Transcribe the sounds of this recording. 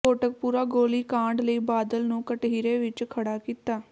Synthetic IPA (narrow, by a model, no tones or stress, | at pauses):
oːʈək̚puːɾaːɡoːliːkãːɳɖləiːbaːd̪əlnũːkəʈɦiːɾeːʋɪt͡ʃkʰəɽaːkiːt̪aː